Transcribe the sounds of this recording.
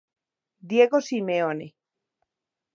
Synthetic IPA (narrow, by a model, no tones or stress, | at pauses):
d̪jeɣosimeone